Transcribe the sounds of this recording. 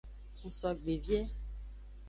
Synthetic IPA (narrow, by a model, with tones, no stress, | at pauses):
ŋũ˨sɔ˨ɡ͡be˨vjɛ˦